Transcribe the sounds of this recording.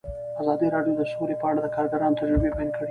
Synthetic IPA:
azɑd̪iɾɑɖjod̪əsolepəaɽad̪əkɑɾɡaɾɑnot̪aʒɾəbebajɑnkʰəɽe

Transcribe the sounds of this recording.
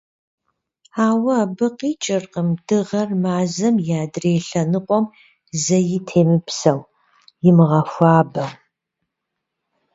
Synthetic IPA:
aːwɐːbɨqiːt͡ʃʼɪrqəmd̥ɨʁɐrmaːzɐmjaːdreːɬɐnɨqʷʼɔm | zɐjɪtʰeːmɨpsɐw | jɪmɨʁɐxʷɑːbɐ

